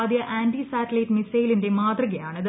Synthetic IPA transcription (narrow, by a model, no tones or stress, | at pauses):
d̪jɐʔaːndisaːtɐlɐjʈmisɐjilinde̞maːt̪rɐɣɐjaːɳɨɐð